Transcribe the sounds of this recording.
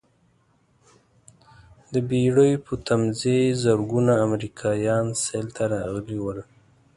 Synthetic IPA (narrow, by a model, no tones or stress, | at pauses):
d̪əbeɽəjpʰət̪amzezəɾɡunaːmɾikʰɑjɑnselt̪aɾɑɣliwəl